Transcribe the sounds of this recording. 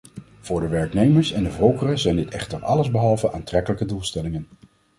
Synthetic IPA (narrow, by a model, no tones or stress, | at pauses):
v̥ʊːɹdəʋɛɹknejməɹsɛndəvowkərəzɛjndɪtɛχtərɑ̰ləzbəɦɑlˠvəʔaːntrɛkələkədulˠstɛlɪŋən